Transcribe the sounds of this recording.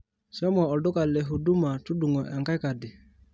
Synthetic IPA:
sɔ˦mɔ˨ɔ˨ldʊ˦ka˨le˨ɦu˨du˦ma˨tu˦du˨ŋɔ˨ʔɛ˨ŋka˦ka˨dɪ˨

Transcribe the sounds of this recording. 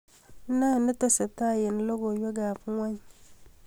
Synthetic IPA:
na˦˨nə˦to˦sa˨ta˦˨je˨n˦lo˦ɡo˨jo˦ɡa˨pu˦ŋwa˦ɲ˦

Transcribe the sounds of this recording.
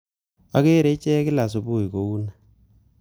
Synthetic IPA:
a˦ke˦ɾe˦t͡ʃɛ˦kɪ˦la˨s̬o˨bu˦i˨ko˨u˦na˨

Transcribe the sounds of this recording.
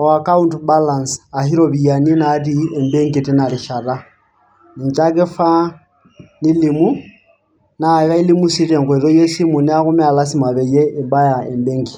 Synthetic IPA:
ɔwa˨ka˦u˦ntba˦la˨nsa˨hi˦ɾɔβia˨ni˦na˦ri˦ɛ˨mbɛ˦ŋɡi˨tɪ˦na˨ɾi˨ʃa˨ɾa˦ | ni˨ɲt͡ʃa˦ke˦fa˦ | ni˦li˨mu˦ | na˨ɣa˦i˦li˦mu˦si˦tɛ˨ŋkwɛ˨ðɔ˦jɛ˦si˦mu˨nɛ˦a˦ɣʊ˦mɛ˦a˨la˦s̬i˦ma˨βɛ˨jɛ˦ɪ˨ba˦ja˨ɛ˨mbɛ˦ŋɡi˨

